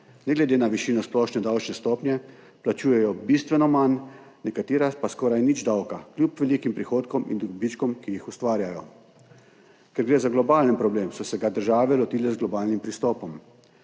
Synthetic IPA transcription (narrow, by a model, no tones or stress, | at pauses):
nɛɡlɛd̪eːnaʋiʃiːnɔsplɔːʃnɛd̪awt͡ʃnɛst̪ɔːpnʲjɛ | plat͡ʃuːjɛjɔbist̪ʋɛnɔmanː | ɛkat̪iːɾapaskɔːɾajnid͡ʒd̪awkaklʲjupʋɛliːkimpɾixoːt̪kɔmḭnd̪ɾubit͡ʃkɔmkijixust̪ʋaːɾjajɔ | kɛɾɡɾeːzaɡlɔbaːlənpɾɔbleːmsɔsɛɡad̪əɾʒaːʋɛlɔt̪iːlɛzɡlɔbaːlnimpɾist̪ɔːpɔm